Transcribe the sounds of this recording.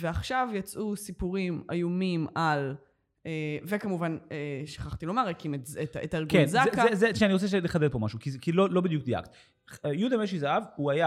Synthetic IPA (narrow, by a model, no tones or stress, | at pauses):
veaχʃavjat͡sʔusipuʁima̰jumimal | evekamuvaneʃaχaχt̪ilo̞maʁekimezetetalɡkenzakzezeʃeaniʁot͡sɛʃ̬eleχad̪edpomaʃukikilolobid̪jukd̪ia̰kt̪ | jud̪ameʃizaavuaja